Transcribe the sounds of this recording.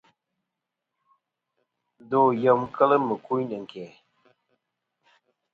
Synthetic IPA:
do˨jə˨m˦kʰə˦lə˦mə˨ku˦nə˨ŋ̩˨kɛ˨

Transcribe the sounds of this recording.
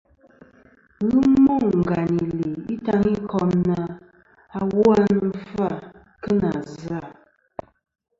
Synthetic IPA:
ɣu˦mo˦˨ŋ˨ŋ̩˨ɡa˨ni˨li˨i˦ta˦ŋi˦kɔ˦mna˦ | a˨wɔ˦a˦nə˨fa˦˨ | kə˦na˨za˦˨

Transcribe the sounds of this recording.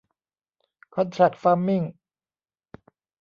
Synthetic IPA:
kʰɔ˧˥nt̪ʰɾa˨˩t̚faː˧˥mːi˥˩ŋ

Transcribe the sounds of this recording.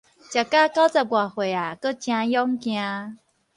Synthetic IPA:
t͡ɕa˨˩ka˦ka˦wt͡sa˧˩bwa˨˩hwe˨˩a˨˩kə˦t͡ɕjã˧jɔ˦ŋkj̃ã˧

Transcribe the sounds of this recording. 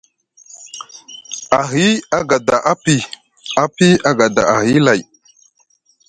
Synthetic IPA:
a˨ɦi˦a˦ɡa˨da˨ʔa˦pi˦ | a˦pi˦a˦ɡa˨da̰˨a˨ɦi˦la˨j

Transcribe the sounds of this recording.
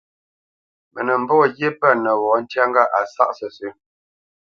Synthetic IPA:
mə˨nə˨m̩˦bɔ˦˨ɣje˦pə˦˨nə˨wɔ˨˦n̩˦tja˦ŋɡa˦ʔa˨sa̰˦˨ʔsə˨sʉ˨˦

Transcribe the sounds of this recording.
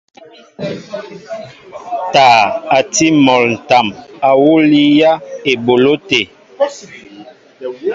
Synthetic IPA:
taː˨a˨ti˦mɔ˨ln̩˨ta˨ma˨wu˦li˦ja˦e˨bo˨lo˦te˨

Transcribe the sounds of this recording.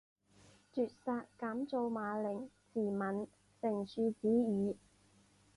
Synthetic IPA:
t͡syː˨t̚saː˧tkaː˨˥mt͡so˧wmaː˨˧lɪ˨˩ŋ | t͡siː˨˩mɐ˨n | sɪ˨˩ŋsyː˨˧t͡siː˨˥jyː˨˧˥

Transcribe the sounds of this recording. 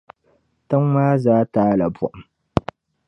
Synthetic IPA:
tʊ˦ŋwaː˦zaː˦ta˨˦lɐ˨bɔ̰˦ʔ

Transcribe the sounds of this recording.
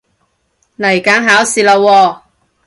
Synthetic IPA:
nlɐ˨˩jkaː˨˥ŋɦaː˨˥wsiː˨˧lɐ˨˧wɔː˧

